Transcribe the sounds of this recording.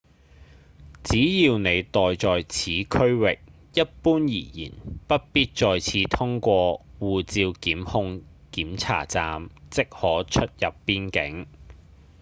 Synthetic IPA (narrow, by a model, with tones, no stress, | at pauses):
t͡siː˨˥jiː˨˧wne˨˧jt̪ɔː˨jt͡sɔː˨jt͡sʰiː˨˥kʰɵ˥ɥwɪ˨k̚ | jɐ˥t̚puː˥njḭː˨˩jḭː˨˩npɐ˥t̚piː˥t̚t͡ʃɔː˨jt͡sʰiː˧t̪ʰʊ˥ŋkʷɔː˧wuː˨t͡siː˧wkiː˨˥mhʊ˧ŋ | kiː˨˥mt͡sʰa̰ː˨˩t͡saː˧mt͡sɪ˥k̚hɔː˨˥t͡ʃʰɵ˥t̚jɐ˨pːiː˥nkɪ˨˥ŋ